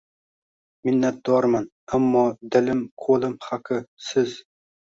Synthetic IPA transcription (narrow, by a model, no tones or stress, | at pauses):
mɪnːat̪̚d̪̥ɒɾman | amːɒd̪ɪlɪmkʰolˠɪmhaqʰɨsɪz